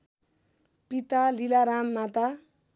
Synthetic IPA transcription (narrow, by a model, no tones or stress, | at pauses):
pit̪alilaɾamːat̪a